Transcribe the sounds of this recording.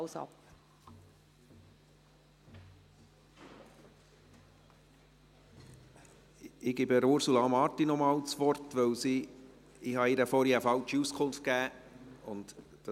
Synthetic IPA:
sɑ̰p | ɪɡɪbəɾʊɾsulɑːmɑɾtinɔmɑːlt͡sʋɔɾtʋœwsi | ɪhɑɪɾəfɔɾiəfɑlt͡ʃiuskʰʊnft̚kæːʊnd̥ | ɑ

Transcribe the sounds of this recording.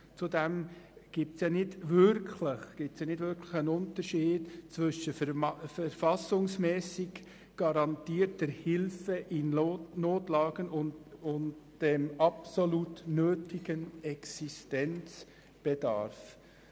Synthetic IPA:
t͡sudɛmɡ̥ip̚tsjɑːnɪdvʏɾkʰləχɡ̥ip̚tsjɑːnɪdvʏɾkʰləχənʊntəɾʃiːdt͡sʋʏʃəfəɾfɑsʊŋsmɛːsɪɡ | ɡ̥ɑɾɑntiːəɾt̚d̥ɛɾhɪlfəʔɪnnoːtlɑːɡ̥ənʊnʊndd̥ɛmɑpsolutnøːtɪɡənɛksistɛnt͡s | b̥ɛd̥ɑ̰ɾf

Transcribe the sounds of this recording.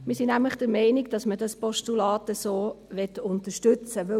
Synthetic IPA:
mɪsinæmləχd̥əɾmɛɪnɪɡd̥ɑsmədɑspɔʃtulɑːtəsoː | ʋɛtʊntəʃtʏt͡səʋɵ

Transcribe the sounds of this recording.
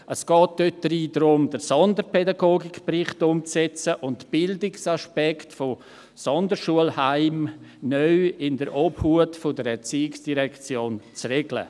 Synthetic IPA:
əsɡ̥ɔːt̚d̥øt̚d̥əɾiːdɾʊmdəɾsɔndəɾpʰɛdaɡoːɡɪkprɪχtʊmt͡sɛt͡səʔʊntb̥ɪldɪksaʃpɛktfo | sɔndəɾʃuəlhaɪmnœʏɪndəɾʔɔbhuətfodəɾɛɾt͡siːɪksd̥iɾɛkt͡sjoːnt͡srɛɡ̥lə̰

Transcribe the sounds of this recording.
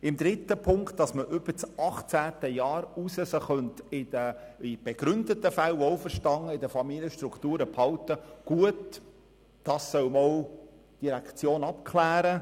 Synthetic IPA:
ɪmdɾɪt̪ːəpʰʊŋktd̥ɑsməʔʏb̥ət͡sɑχt͡sæːtəjɑːɾusəsəχœntɪdəɪb̥eɡ̥ɾʏnd̪ət̪əfælɔʊfəɾʃtɑŋːəɪdəfɑmiljəʃt̪ɾukʰt̪uːɾəphɑltəɡ̥uət | d̥ɑːssœwmɔl | d̥iɾækt͡sjoːnɑpkʰlæːɾə

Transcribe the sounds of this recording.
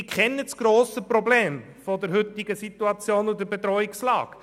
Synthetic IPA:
kχɛnːət͡sɡ̥ɾoːsəprɔbleːm | fod̪əɾɦʏt̪ɪɡəsit̪uɑt͡sjoːnʊdəbed̪ɾɔikslɑ̰ːk

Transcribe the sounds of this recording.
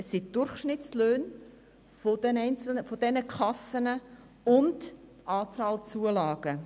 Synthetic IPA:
ɛsːɪd̥ʊɾχʃnɪtt͡sløːn | fodɛnɛɪnt͡sl̩nəfod̥ɛnəkʰɑsənə | ʊnd | ʔɑːt͡sɑːlt͡suəlɑːɡ̥ə

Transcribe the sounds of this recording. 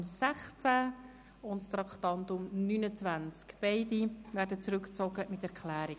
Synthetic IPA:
msɛχt͡sæ | ʊntst̪ɾɑktɑndʊmnynət͡svænt͡skb̥ɛɪdivæːɾdət͡sɾʏkt͡soɡəmɪtɛɾkʰlæːɾɪ

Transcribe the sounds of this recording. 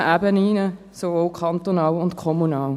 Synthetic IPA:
ʔæbəniːnə | sovoːlkʰɑnt̪onɑːlʊntkʰɔmunɑːl

